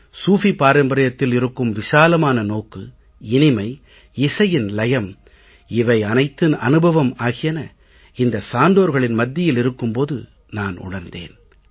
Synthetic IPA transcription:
suːfipaːɾɐmbɐɾɐjɐt̪ːɪlɪɾɯkːɯmʋɪsaːlɐmaːnɐnoːkːɯ | ɪnɪmɐɪ | ɪsɐjɪnlɐjɐm | ɪʋɐɪɐnɐɪt̪ːɯnɐ̰nɯbʱɐʋɐmaːɣɪjɐnɐ | ɪnd̪ɐsaːnd̪oːɾɣɐɭɪnmɐd̪ːɪjɪlɪɾɯkːɯmpoːðɯ̰ | naːnʊ̰ɽɐɾnd̪ḛːn

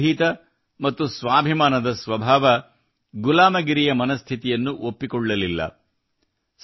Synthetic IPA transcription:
iːt̪ɐ | mɐt̪ːusʋaːbʱimaːnɐd̪ɐsʋɐbʱaːʋɐ | ɡulaːmɐɡiɾijɐmɐnɐst̪ʰit̪ijɐnːuʔopːikɔɭːɐlilːɐ̰ | s

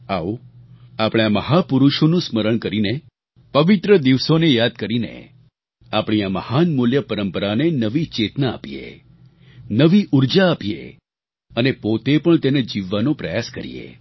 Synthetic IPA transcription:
ao | apɽ̃aməɦapuɾuʃonũsməɾəɳkəɾine | pəʋit̪ɾəd̪iʋsonejad̪̚kəɾinḛ | apɳ̃ijaməhanmuljəpəɾəmpəɾanenəʋit͡ʃet̪na̰ːpijḛ | nəʋiʔuɾd͡ʒaːpijḛ | ənepot̪epəɳt̪ened͡ʒiʋːanõpɾəjaskəɾḭjḛ

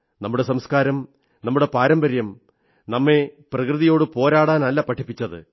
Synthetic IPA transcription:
nɐmːuɽe̞sɐmskaːɾɐm | nɐmːuɽe̞paːɾɐmbɐɾjɐm | nɐmːe̞prɐkrɨðijo̞ːɽɨpo̞ːɾaːɽaːnɐlːɐpɐʈʰːipːit͡ɕːɐðɨ̰

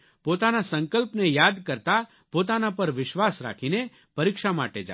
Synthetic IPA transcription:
pot̪anasə̃ŋkəlpnejad̪kəɾt̪a | pot̪̬anapəɾʋɪʃʋasɾa̰kʰine | pəɾikʃama̰ʈed͡ʒa̰

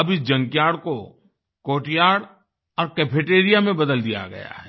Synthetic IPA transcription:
ɐbʱid͡ʒɐ̃ŋkjaːɽko | koːʈjaːɽ | ɔːɾkɛːpʰeːʈeːɾijamẽbɐd̪əld̪ija̰ɡɐ̰ja̰ɦɛ

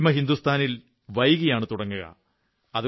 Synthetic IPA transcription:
mɐɦind̪ust̪ʰaːnil | ʋɐjɣijaːɳɨt̪uɽɐŋːuɣɐ̰ | ɐðɨ

